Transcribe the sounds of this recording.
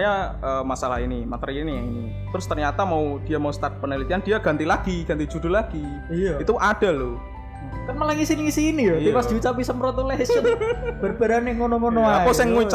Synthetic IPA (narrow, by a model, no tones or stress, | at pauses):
ɲa | əːmasalahinimat̪əɾiːniaŋini | t̪ɾʊst̪ərɲat̪amaud̥iamaust̪at̪̚pənilit̪iand̥iaɡ̥ant̪ilaɡ̥iɡ̥ant̪id͡ʒudʊlaɡ̥i | it̪uʔad̥a̤lʊ | kanməlaŋisiniːsiːnij̪ipasd̥̪iut͡ʃapisəməɾɔt̪ulesənb̥ərbəɾanaŋonɔŋonɔaaosɪŋːut͡ʃ